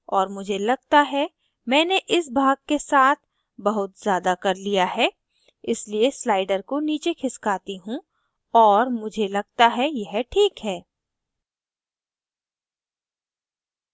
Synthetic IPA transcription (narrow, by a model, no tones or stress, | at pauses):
ɔːɾmʊd͡ʒʱelɐɡ̚t̪aɦɛ | mɛ̃ːneʔɪsbʱaːɡ̚kesaːt̪̚ʰ | bɐɦʊt̪z̥jaːd̪akɐɾlijaɦɛː | ɪslieslaːɪɖəɾkoniːt͡ʃekʰɪskaːt̪iɦũ | ɔːɾmʊd͡ʒʱelɐɡ̚t̪aɦɛjɛɦʈʰiːkɦɛː